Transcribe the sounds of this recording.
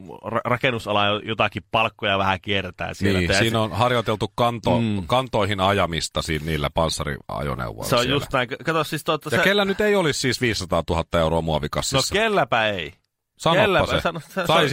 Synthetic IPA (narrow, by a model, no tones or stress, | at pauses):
rɑrɑkenusɑlɑjojot̪ɑkippɑlkːojɑʋæhækiert̪æ̰ːsiniːsiːnonhɑrjot̪elt̪ukkɑnt̪okɑnt̪oihinɑjɑmist̪ɑsiːnniːlːæpɑnsːɑrḭɑ̰jo̰nḛṵʋːˑo̰rseo̰jjust̪næiŋkkɑt̪ossist̪ot̪ːɑsjɑekelːænyt̪eiolissiːsʋiːssɑt̪ɑːt̪uhɑt̪ːɑeuroɑmuɑʋikɑsːnioːkelːæpæei | sɑnolpːæːɑsḛsɑnosesɑis